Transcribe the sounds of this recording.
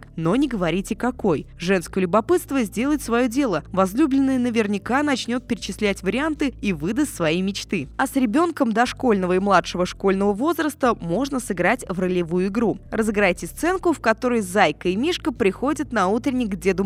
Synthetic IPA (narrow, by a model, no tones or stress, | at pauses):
kno̞nʲɪɡəvɐɾʲitʲɪkɐko̞jʐɛnskəjlʲʊbɐpɨt̪st̪vəzʲdʲe̞lˠəɪt̪svɐjo̞dʲe̞lˠəvɐzlʲublʲɪnːəjənəvʲɪrnʲɪkanɐt͡ɕnʲo̞t̪̚pʲɪɾʲɪt͡ɕɪsʲlʲætʲvəɾʲɪant̪ɨivɨd̪əsʲsvɐjimʲɪt͡ɕt̪ɨɐsɾʲɪbʲo̞nkəmd̪ɐʂko̞lʲnəvəimlˠat̪ʂəvəʂko̞lʲnəvəvo̞zɾəst̪əmo̞ʐnəsɨɡɾatʲvrəlʲɪvujʊɪɡɾurəzɨɡɾajtʲɪst̪sɛnkʊfkɐt̪o̞ɾəjzajkəɪmʲiʂkəpɾʲɪxo̞dʲɪt̪nɐut̪ɾʲɪnʲɪjɡdʲe̞d̪ʊ